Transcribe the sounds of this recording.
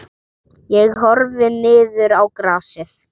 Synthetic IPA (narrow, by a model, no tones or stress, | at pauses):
jɛɣɦɔɾvɪnɪːðʏɾawkɾaːsɪθ